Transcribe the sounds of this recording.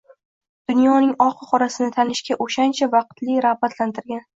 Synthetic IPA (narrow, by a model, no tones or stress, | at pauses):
d̪̥ʊnjɒnɪŋɒqʰɨχɒɾasɪnɪt̪ʰanɪʃkʲaʔoʃant͡ʃʰavɑq̚t̪lɪɾahbat̪lant̪ʰɪɾɡʲan